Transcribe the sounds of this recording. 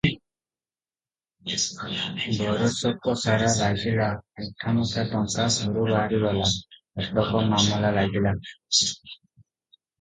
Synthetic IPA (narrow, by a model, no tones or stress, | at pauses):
bʱɔɾɔsɔkːɔsaɾalaɡilaɛtʰːamusat̪ɔŋkaɡʱuɾuɾaɾilɔla | ɛklɔkɔmamɔlalaɡila